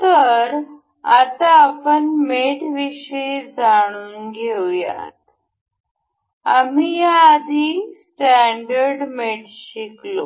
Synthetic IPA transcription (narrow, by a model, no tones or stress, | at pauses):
t̪əɾ | at̪aːpənmeʈʋiɕəjd͡zaɽ̃uːnɡʱewja̰t̪ | amijaːd̪ʱiːsʈæɳɖəɾɖmeʈɕiklo